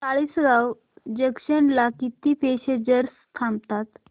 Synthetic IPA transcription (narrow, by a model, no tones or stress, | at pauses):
t͡saɭiːsɾaw | d͡ʑəkɕənlakit̪ipeɕed͡ʑəɾs | t̪ʰamb̚t̪at̪